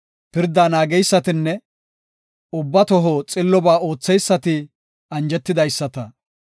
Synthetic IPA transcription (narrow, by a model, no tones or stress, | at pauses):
pɪɾd̪aːnaːɡɛjsːɐt̪ɪnːɛ | ʊbːɐt̪ɔɦɔt͡sʼɪlːɔbaːo̞ːt͡sːɛjsːɐt̪ɪ | ɐnd͡ʒɛt̪ːɪd̪ɐjsːɐt̪ɐ